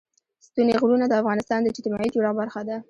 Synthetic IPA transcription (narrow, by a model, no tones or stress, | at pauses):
st̪uneɣɾunad̪əafɣɑnɪst̪ɑnd̪ət͡ʃɪt̪imɑid͡ʒuɾɑbaɾxad̪a